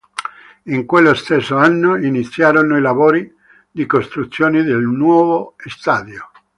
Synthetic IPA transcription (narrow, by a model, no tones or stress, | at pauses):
iŋkwelːost̪esːoanːoinit̪sːjaːɾonoilavoːɾi | d̪ikost̪ɾut̪sːjoːnid̪elnwɔːvoest̪aːd̪jo